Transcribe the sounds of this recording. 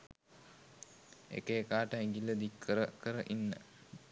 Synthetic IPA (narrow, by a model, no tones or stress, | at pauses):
ḛkəːkaːʈəiŋɡilːəd̪ikʰːəɾəkəɾəʔinːə̰